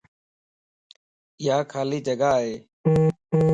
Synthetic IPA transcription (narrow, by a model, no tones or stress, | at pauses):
ɪjaːkʰaːliːd͡ʒəɡaːɦeː